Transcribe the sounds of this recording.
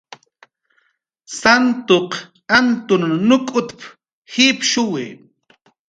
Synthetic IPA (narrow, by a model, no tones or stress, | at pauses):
sant̪oq | ant̪ʊnːʊkʼʊt̪p | hipʃʊwɪ̰